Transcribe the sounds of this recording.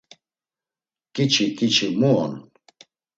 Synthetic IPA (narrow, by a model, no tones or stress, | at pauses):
kʼit͡ʃʰikʼit͡ʃʰimuɔn